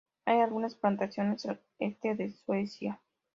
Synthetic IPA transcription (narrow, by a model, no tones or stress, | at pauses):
ajalɣunasplant̪asjo̞ne̞sa | est̪eðe̞swesja